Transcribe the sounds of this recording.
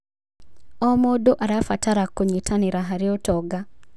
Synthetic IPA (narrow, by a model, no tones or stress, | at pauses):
ɔmodoʔaɾafataɾakːoɲitʰaniɾaɦaɾɪotɔɡa